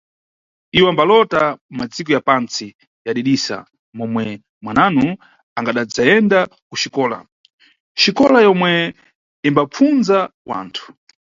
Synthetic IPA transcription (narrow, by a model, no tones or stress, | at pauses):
iwambalɔtamad͡zik̬ɔjapant͡si | jaɗiɗisa̰ | mɔmwɛ | mwananu | aŋɡaɗad͡zaɛnda | kuʃikɔːla̰ | ʃikɔlajɔmwɛ | imbap͡funzawa̰ːntʰu̥